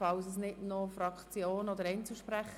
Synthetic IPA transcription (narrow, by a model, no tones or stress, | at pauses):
fɑls̬əsnɪtnofɾɑkt͡sjoːnɔd̪əɾɛɪnt͡suʃpɾæχ